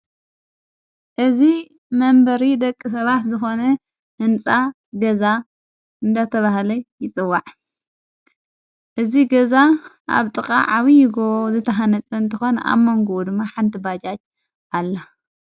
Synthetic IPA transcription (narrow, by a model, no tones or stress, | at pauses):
ʔɨzi | mɐmbɐɾid̪ɐkʼːis̬ɐβat̪zɨxo̞nɐ | hɨnt͡sʼa | ɡɐza | ʔɨnd̪at̪ʰɐβahlɐjɪt͡sʼɨwːaʕ | ʔɨziɡɐzaʔa̰βt̪ʼɨkʼa̰ʕaβijɪɡoβozɨt̪ʰɐɦanɐt͡sʼɐɨnt̪ʰɨxo̞na̰βmɐŋɡod̪ɨmːaħant̪ʰibat͡ʃʼat͡ʃ | alːɐ